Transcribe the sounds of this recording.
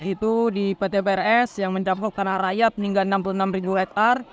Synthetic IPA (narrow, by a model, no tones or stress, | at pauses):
it̪udipet̪epeɛrɛsjaŋməɲd͡ʒakɔk̚kanaɾajat̪̚niŋɡalənampulunamribulɛk̚ar